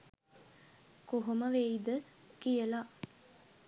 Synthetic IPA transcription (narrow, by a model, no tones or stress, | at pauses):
koɦoməʋejid̪əkijəla